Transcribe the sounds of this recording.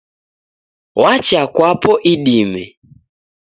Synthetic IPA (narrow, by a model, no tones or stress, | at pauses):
wat͡ʃakwapɔʔiɗimɛ̰